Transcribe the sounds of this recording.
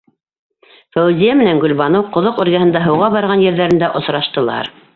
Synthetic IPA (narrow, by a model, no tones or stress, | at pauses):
fæwɘzʲijæmɘ̆næŋɡɵ̆lβɑnɤwqŏðoqʉ̆ɾɣæhɤ̆nd̪ɑɦɤ̆wʁɑβɑɾʁɑnjɘ̆ɾðæɾɘ̆nd̪æʔŏsɾɑʃt̪ɤ̆lˠɑ̰ɾ